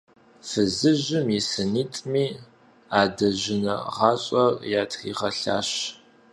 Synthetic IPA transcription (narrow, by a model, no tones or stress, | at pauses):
fɨzɨʑɪmisɨniːtʼmiː | aːdɐʑɪnɐ̰ʁɑːɕʼɐrjaːtʰχḭːʁɐɬa̰ːɕ